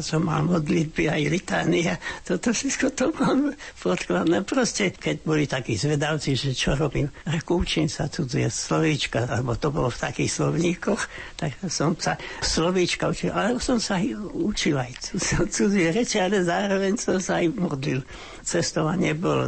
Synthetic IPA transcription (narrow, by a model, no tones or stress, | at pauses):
sɔmːa̰lmɔd̪lid̪̚biajlit̪aːniat̪ɔt̪ɔfʃɛt̪kɔt̪ɔbampɔt̪klad̪nɛpɾɔscɛkɛɟbɔlit̪akiːzʋɛd̪awt͡siʒɛt͡ʃɔɾɔbiːmɾɛkɔut͡ʃiːmsat͡sud͡zɛslɔʋiːt͡ʃkalɛbɔt̪ɔbɔlɔft̪akiːxslɔʊɲiːkɔxt̪aksɔmsaslɔʋiːt͡ʃkaut͡ʃilalɛbɔsɔmsajut͡ʃilajt͡sut͡sud͡ziɛɾɛt͡ʃɛalɛzaːɾɔʋɛɲsɔmsaajmɔd̪lil | t͡sɛst̪ɔʊaɲɛbɔlɔ̰